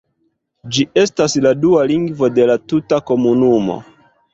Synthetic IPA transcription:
d͡ʒiʔe̞stasladualiŋɡvo̞de̞latutako̞munumo̞̰

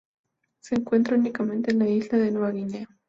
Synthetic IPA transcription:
seːŋkwent̪̬ɾaunikamẽnt̪enlailaðenuaɣine

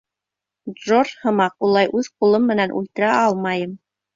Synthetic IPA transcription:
d̪ʒorhɤ̆mɑqulˠɑjʔʉðqulˠɤmːɘ̆nænʔʉ̰lt̪ɘ̆ɾæʔɑlˠmɑjɤm

